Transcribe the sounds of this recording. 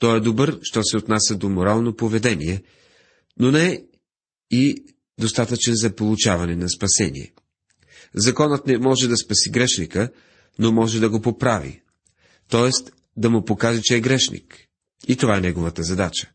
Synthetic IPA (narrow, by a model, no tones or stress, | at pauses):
t̪ɔɛd̪obɤɾʃt̪ɔsɛot̪nasʲɐd̪omoɾalˠnopovɛd̪ɛniɛ | nonɛ | i | d̪ost̪at̪ət͡ʃɛnzɐpolˠut͡ʃavɐnɛnɐspɐsɛ̰nḭɛ̰ | zɐkɔnət̪nɛmɔʒɛd̪ɐspɐsiɡɾɛʃnikə | nomɔʒɛd̪ɐɡopopɾavḭ | t̪ɔɛst̪ | d̪ɐmupokaʒɛt͡ʃɛːɡɾɛʃnḭk | it̪ovaɛnɛɡovət̪əzɐd̪at͡ʃə̥